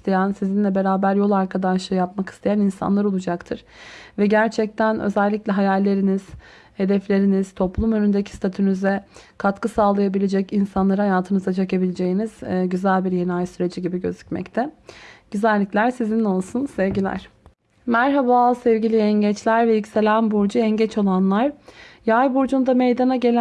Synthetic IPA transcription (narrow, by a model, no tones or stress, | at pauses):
ist̪ʰajænsizinlʲɛbe̞ɾaːbæɾjo̞lˠaɾkʰad̪aʃɯjap̚makɯ̥st̪ʰajaninsa̰nlˠaɾo̞lˠud͡ʒakt̪ʰɯɾ̥vɛɟæɾt͡ʃʰɛc̚t̪ʰænø̰zɛlʲːicʲlʲɛɦajalʲːe̞ɾiniz̥ | he̞d̪ɛflʲe̞ɾiniz̥t̪ʰo̞plˠumø̞nynd̪ecʰi̥st̪ʰat̪ʰynyzɛkʰat̪kɯsaːlˠajabilʲed͡ʒɛcinsanlˠaɾɯhajaːt̪ʰɯnɯzat͡ʃʰekabilʲed͡ʒe̞jiniz̥ɟyzælʲbiɾjenajsyɾe̞d͡ʒiɟibiɟøzycmɛ̰ct̪ʰɛɟ̥yzælʲːiclʲæɾsizino̞lˠsunsɛvɟilʲæ̰ɾ̥ | mæɾɦabasɛvɟilʲiɛɲɟɛt͡ʃlʲæɾvɛjycse̞lʲænbuɾd͡ʒuɛɲɟɛt͡ʃʰo̞lˠanlˠaɾjajbuɾd͡ʒund̪amejd̪anaɟe̞lʲ